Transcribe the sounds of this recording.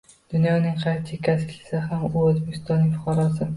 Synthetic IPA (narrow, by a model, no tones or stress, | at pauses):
d̪̥ʊnjɒnɪŋqʰɑjt̪ʰɪkʲʰaskʲlɪ̥sɪɦamʊozbekʲʰɪ̥st̪ɒnːɪŋʲfʊχɑɾɒsɪ